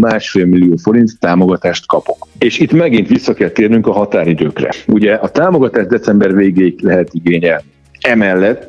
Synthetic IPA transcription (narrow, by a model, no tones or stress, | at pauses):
maːʃfeːlmilːijoːfo̞ɾint̪ːaːmo̞ɡɒt̪aːʃt̪kɒpo̞keːʃit̪mɛɡint̪ʋisːɒkɛlt̪eːrnyŋkɒɦɒt̪aːɾid̪øːkrɛ̰uɟɛʔɒt̪aːmo̞ɡɒt̪aːʒd̪ɛt̪sɛmbɛrveːɡeːiklɛɦɛt̪iɡeːɲɛlni | ɛmɛlːɛt̪ː